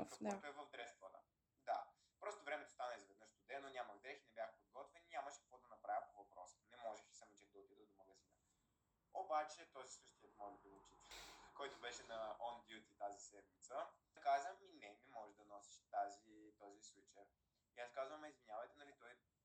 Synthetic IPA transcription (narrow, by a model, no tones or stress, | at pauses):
kɐɔt̪oɛvəvd̪ɾɛst̪vət̪ə̰ | d̪a | pɾɔst̪ovɾɛmɛt̪o̥st̪anəizvɛd̪nɤʃt̪ʊd̪ɛnonʲamɐɡd̪ɾɛxinɛbʲjaxpod̪̚ɡɔt̪vɛninʲaməʃɛ̥kɐkvɔd̪ɐnɐpɾavʲəpovɐpɾɔsə̥nɛmɔʒɛʃɛ̥sɐmɛt͡ʃɛkd̪ɐot̪id̪əd̪omɐɡɐzinə | obat͡ʃɛt̪ɔzisəʃt̪iɛt̪mɔʒɛb̪olˠut͡ʃit̪kɔjt̪obɛʃɛnɐɔnd̪iut̪it̪azisɛd̪̚mit̪sə | kazəmminɛmɛmɔʒɛʒd̪ɐnɔsi̥ʃt̪azit̪ɔziswit͡ʃɛ | iaskazvəmɛizvinjavɐjt̪ɛnɐlit̪ɔj